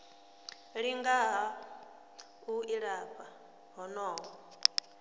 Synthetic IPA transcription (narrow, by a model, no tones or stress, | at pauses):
ɺiŋɡaɦa | uiɺaɸʰa | ɦɔnɔːɦɔ